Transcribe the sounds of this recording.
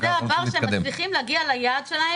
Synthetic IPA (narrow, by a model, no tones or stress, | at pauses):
zeavaʁʃeemmasliχimleaɡialajaːd̪ʃelahe